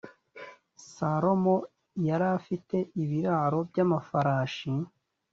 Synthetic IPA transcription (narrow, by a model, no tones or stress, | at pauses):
saɾo̞mo̞ | jaɾafite̞ʔiβiɾaɾo̞bɟamafaɾaːʃi